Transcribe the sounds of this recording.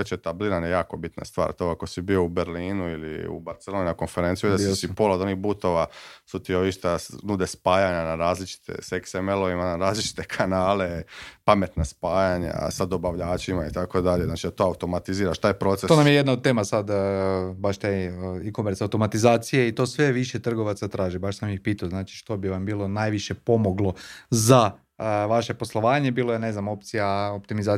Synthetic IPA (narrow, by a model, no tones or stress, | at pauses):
et͡ʃet̪abliɾanjejaːko̞bit̪na̰st̪ʋa̰ːɾt̪oako̞sibio̞ubeɾliːnuilḭṵbaɾt̪seloninako̞nfe̞ɾent̪ijud̪aisipo̞lod̪o̞niɣbut̪o̞ʋasut̪ioiʃt̪anuːd̪espaːjaɲanaɾaːzlit͡ʃi̥t̪ḛseksemelo̞ʋimanaɾaːzlit͡ʃi̥t̪e̞kʰanaːle̞pame̞t̪naspaːjaɲa̰sad̪o̞baʋʎaːt͡ʃimait̪akod̪aʎeznaːt͡ʃid̪at̪oːawt̪o̞mat̪iziːɾaʃt̪aːjpɾo̞ːt̪sest̪onamjejed̪naod̪̚t̪e̞ːmasad̪baʃt̪ajikomeɾt̪sawt̪o̞mat̪izaːt̪sijeit̪o̞ːsʋe̞ʋiʃet̪r̩ɡo̞ʋat̪sat̪ɾaːʒibaʃsamjixpiːt̪aoznaːt͡ʃi̥ʃt̪o̞biʋambiːlo̞najʋiʃe̞po̞mo̞ɡlˠo̞za | ʋaʃe̞po̞slˠo̞ʋaːɲe̞biːlˠojene̞znamo̞p̚t̪sijaopt̪imizaː